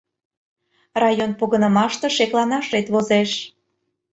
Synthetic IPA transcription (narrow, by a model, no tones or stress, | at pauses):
rɑjonpoɣənə̆mɑʃt̪ə̆ʃeklɑnɑʃet̪βozeʃ